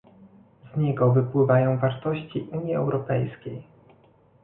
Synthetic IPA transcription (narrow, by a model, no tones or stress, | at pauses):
zɲɛɡɔvɘpwɘvajɔ̃w̃vaɾt̪ɔɕt͡ɕiʔuɲiɛ̰wɾɔpɛjskʲej